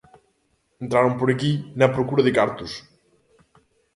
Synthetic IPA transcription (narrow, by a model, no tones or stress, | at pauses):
ẽnt̪ɾaɾompoɾɐkinɐpɾokuɾɐðɪkaɾt̪us